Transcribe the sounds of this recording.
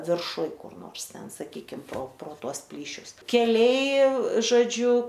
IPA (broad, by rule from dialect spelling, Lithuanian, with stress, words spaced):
ʋʲɪrˈʃʊj kʊr ˈnoːrs ˈtʲɛn sɐˈkʲiːkʲɪm proː proː ˈtuɔs ˈpʲlʲiːʃʲʊs kʲɛˈlʲɛɪ ʒoːˈd͡ʒʲʊ